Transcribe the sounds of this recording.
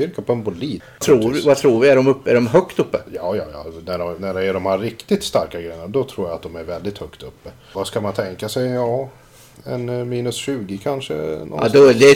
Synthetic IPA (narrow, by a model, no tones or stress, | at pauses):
ʏɾkapʰɔɛnbʊliː | t̪ʰɾuːvat̪ʰɾuːɾvɪæɖɔmɵpːəæɖɔmɦœkt̪ɵpːəjɑːjɑːjɑ̰næɖɔnæɖɛæɖɔmhaɾɾɪkt̪ɪt̪st̪aɾkaɡɾɛjənd̪ɔt̪ʰɾuːjaat̪̚d̪ɔmæɾvɛld̪ɪt̪hœkt̪ɵpːə | vaskamant̪ʰɛŋkasɛjɑː | ɛnmiːnɵsɕʉ̟ːɡɪkʰanʂə̰nɔ̰ʔa̰d̪ɔd̪ɛ